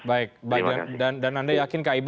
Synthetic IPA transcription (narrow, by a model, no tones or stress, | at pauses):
baɪk̚baɪk̚dandandanandajakɪnkaib